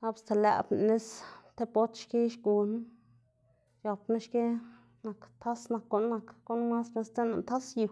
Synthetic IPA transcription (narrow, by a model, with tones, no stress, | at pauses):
a˦bst̪e˧lɛ̰˨bn˨ne˦st̪e˦po˦t̪ʃke˦ʃɡu˨n˦ | ja˨pna˦ʃke˦ | na˨kt̪ʰa˦sna˨kːo˧nːa˧kɡu˦nma˦sne˧st̪e˦na̰˨t̪a˦sju˨